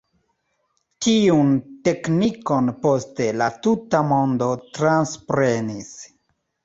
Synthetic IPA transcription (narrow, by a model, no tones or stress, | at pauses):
tiunte̞kniko̞npo̞ste̞latutamo̞ndo̞tɾanspɾe̞nis